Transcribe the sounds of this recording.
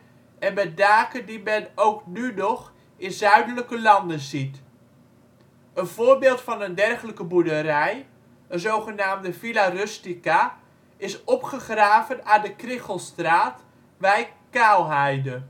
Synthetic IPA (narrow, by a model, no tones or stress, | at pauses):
ʔɛnmɛt̚daːkəndimɛnowknynɔχ | ɪnzœɥdələkəlɑndəzit | ənvoːɹbɪːlˠtfɑnəndɛrχələkəbuɹdəɾɛj | ənzowχənaːmdəfilarʏstika | ɪsɔpχəχraːvənaːndəkrɪχəlˠstraːt | bɛjkaːlˠɦɛjdə